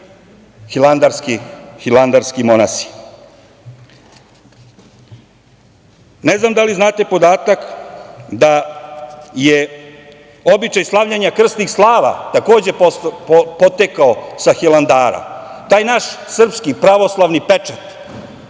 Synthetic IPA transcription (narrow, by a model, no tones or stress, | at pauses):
xiland̪aɾskixiland̪aɾskimonasi̥ | neznamd̪aliznaːt̪e̞po̞d̪aːt̪ak | d̪a | je | o̞bit͡ʃajslˠaʋʎaɲakr̩st̪nixslˠaːʋa̰t̪akoːd͡ʑe̞ | pot̪ekaosaxiland̪aːɾa̰ | t̪aːjnaʃsr̩pskipɾaʋo̞slˠaʋnipet͡ʂat̪